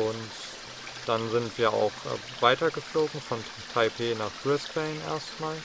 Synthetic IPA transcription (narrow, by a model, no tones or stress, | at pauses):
ʔʊnt | d̥anzɪntv̥iːɐʔa̰ʊxʔ | vaɪtɐɡəfloːɡŋ̩fɔn | tʰaɪpʰeːnaːχɡ̥ʁɪstb̥ɛɪnʔḛːɐstmaːl